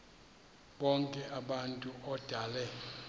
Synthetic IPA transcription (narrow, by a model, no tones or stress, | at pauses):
ɓɔŋkʼɛʔaɓantʼuɔd̥ʱalɛ